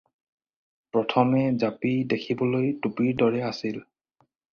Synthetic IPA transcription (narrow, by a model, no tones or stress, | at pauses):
pɹɔtʰɔmɛzapidekʰibɔlojtupiɹdɔɹɛasil